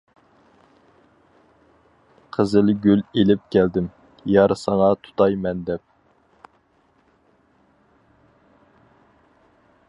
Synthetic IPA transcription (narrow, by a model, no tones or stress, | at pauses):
qʰəzɪlɡʲylelɪp̚kʲæld̪ɪm | jɑɾsɑŋɑt̪ʰu̥t̪ʰɑjmɛnd̪ɛp̚